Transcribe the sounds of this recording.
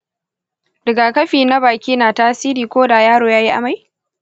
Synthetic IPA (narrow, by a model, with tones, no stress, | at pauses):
dɐ˨ɡaː˨kɐ˦ɸiː˨na˦baː˨kʲiː˦naː˨taː˦siː˦ɾiː˨kʷoː˦daː˨jaː˦ɽoː˨jaː˦ji˦ʔa̰˨ma˦j